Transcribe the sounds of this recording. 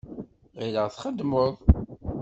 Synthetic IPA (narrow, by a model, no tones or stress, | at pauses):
ʁiləʁθχəd̪ːmoðˤ